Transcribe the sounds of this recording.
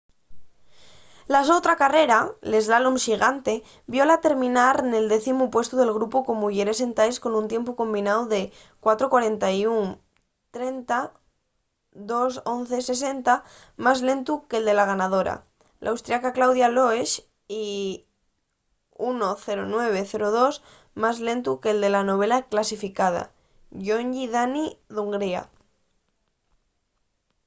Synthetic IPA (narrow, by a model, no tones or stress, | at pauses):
lasot̪ɾakare̞ɾale̞zalumsiɣant̪e̞ | bjo̞lat̪e̞ɾmĩnaɾne̞ld̪e̞θimupwest̪uðe̞lɣ̞ɾupukomuʝeɾese̞nt̪ajsko̞nũnt̪je̞mpuko̞mbinawðe̞ | kwat̪ɾokwaɾe̞nt̪ajuŋ | t̪ɾe̞nt̪a | ðo̞so̞n̟θese̞s̬e̞nt̪a | mazle̞nt̪ukeld̪e̞laɣ̞anað̞oɾa̰ | lʔa̰wst̪ɾiakaklawðjaloeʃ | i | unoθe̞ɾonwe̞β̞e̞θe̞ɾoð̞o̞s | mazle̞nt̪ukeld̪e̞lano̞β̞e̞laklasifikað̞a̰ | ʝoɲʎiðaniðuŋɡɾia̰